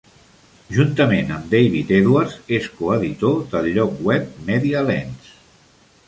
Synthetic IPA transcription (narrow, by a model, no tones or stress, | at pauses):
ʒunt̪əmenəmd̪ejβ̞it̪ɛðwaɾzeskuəðit̪od̪əlʎːɔkwɛp̚mɛðiəlɛns